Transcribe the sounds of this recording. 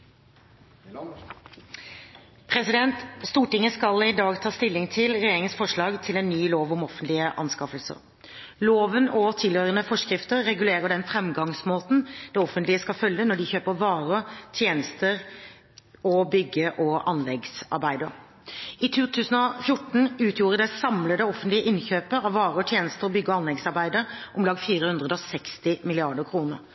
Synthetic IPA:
pʰɾɛsɪd̪ɛnt̪st̪uːʈɪŋəskɑlɪd̪ɑːɡt̪ʰɑːst̪ɪlːɪŋt̪ʰɪlɾɛjeːɾɪŋənsfɔʂɭɑːɡt̪ʰɪlɛnːyːloːʋɔmɔfənt̪lɪəʔɑ̰nskɑfəlsə̰ɾ | loːʋənɔt̪ʰɪlhøʏɾənəfɔʂkɾɪft̪əɾːɛɡʉleːʁəɖɛnfɾɛmɡɑŋsmoːt̪n̩d̪̥ɛːɔfənt̪lɪəskɑfœljənɔɖɪçøːpəɾʋɑːʁət̪ʰjeːnəst̪əɾ | ɔbʏɡəʔɔʔɑnlɛɡsɑ̰ɾbæɪd̪əɾ | ɪt̪ʰuːt̪ʰʉːsənɔfjʊʈːɳ̩ʉːt̪ʰjuːʁəd̪ɛsɑmləd̪ɛɔfənt̪lɪəʔɪnçøːpəɑʋʋɑːʁəɔt̪ʰjeːnəst̪əɾɔbʏɡːəɔɑnlɛɡsɑɾbæɪd̪əɾʔʊmlɑɡfiːɾəhʉnd̪ʁəd̪ɔsɛkst̪ɪmɪlɪɑɖəkʰɾuːnəɾ

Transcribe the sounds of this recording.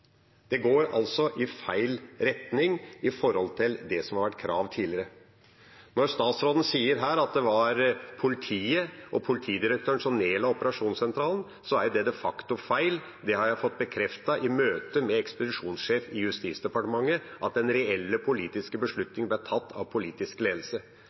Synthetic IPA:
d̪̥ɛɡoːɾɑ̰lsɔʔɪfæɪlɾɛt̪nɪŋɪfɔɾhɔlt̪ʰɪld̪ɛsɔmhɑɾʋæʈːkʰɾʔɑ̰ːʋt̪ʰiːlɪəɾə | nɔɾst̪ɑːt̪sɾoːd̪n̩siːəɾɦæːɾɑt̪̚d̪ɛʋɑɾpʰʊlɪt̪ʰiːəʔɔpʰʊlɪt̪ʰiːd̪ɪɾək̚t̪ʰøːɳʂɔmneːlɑɔpəɾɑʂuːnsɛnt̪ʰɾɑːlən̩ | sɔæɾjd̪ɛd̪ɛfɑkt̪ʊfæɪl | d̪ɛhɑɾjæɪfɔt̪̚ːbəkʰɾɛft̪ɑʔɪmøːt̪əmɛɛkspʊd̪ɪʂuːnsʂeːfɪjʉst̪iːt̪sd̪ɛpɑʈəmɑŋːəʔɑt̪̚d̪ɛnɾɛɛlːəpʰʊliːt̪ɪskəbəʂɭʉt̪nɪŋblæʈ̪ʰɑt̪ːɑ̰ʋpʰʊliːt̪ɪskleːd̪l̩sə

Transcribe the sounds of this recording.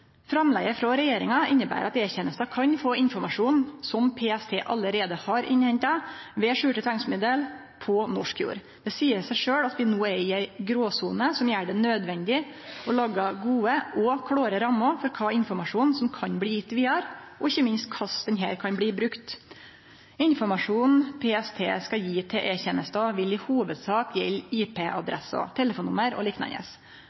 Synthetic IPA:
fɾɑmlɛɡəfɾɑɾɛjeːɾɪŋɑɪnːəbæ̰ːɾɑt̪eːçɛnəst̪ɑkʰɑɲfoːɪnfɔɾmɑʂuːnsɔmpʰeːɛst̪ʰeːʔɑləɾeːd̪əhɑɾɪnhɛɲt̪ɑʋɛːʂʉːʈət̪ʰɛŋsmɪd̪əl | pʰɔnɔʂkjṵːɾ | d̪̥ɛsiːəɾsæɪʂøːɽɑt̪ʋɪnoːɛɪæɪɡɾoːsuːnəsɔmjæːɖɛnød̪ʋɛnd̪ɪɔlɑːɡɑɡuːəʔɔkʰɽoːɾəɾɑmːɑfɔɾkʰɑːɪnfɔɾmɑʂuːnsɔmkʰɑɲbɽiːjɪt̪ːʋiːɑɾʔɔɪçːəmɪnst̪̚kʰɑsd̪ɛnɦæːɾkʰɑnbɽiːbɾʉkt̪ | ɪnfɔɾmɑʂuːnpʰeːɛst̪ʰḛːskɑjiːt̪ʰɛʔɛçɛnəst̪ɑʋɪlɪhuːʋəd̪sɑːkjɛliːpʰeːʔɑ̰d̪ɾɛ̰sɑ̰t̪ʰɛləfuːnːʊməɾɔ̰liːknɑ̰nə̰s

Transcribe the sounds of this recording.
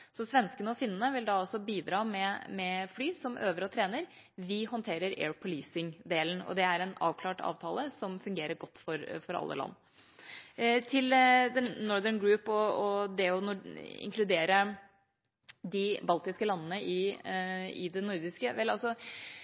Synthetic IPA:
sɔsʋɛnskənəɔfɪnːənəʋɪld̪ɑɔsɔbiːd̪ɾɑːmɛmɛflyːsɔmʔøːʋəɾɔt̪ʰɾeːnəɾ | ʋɪhɔnt̪ʰeːɾəɾḛːɹpʰʊliːsɪŋd̪eːln̩ɔ̰d̪ɛæɾɛnɑ̰ːʋkʰlɑːʈɑ̰ːʋt̪ʰɑːləsɔmfʉŋɡeːɾəɾɡɔt̪ːfɔɾfɔɾɑ̰lːə̰lɑ̰nː | t̪ʰɪld̪ɛnːɔɾðəɳɡɹʉːpɔɔd̪ɛɔnɔɪ̰ŋkʰlʉd̪eːɾə | d̪ɪbɑlt̪ɪskəlɑnːnəʔɪ | ɪ̰d̪ɛnʊɾd̪ɪskəʋɛlɑlsɔ

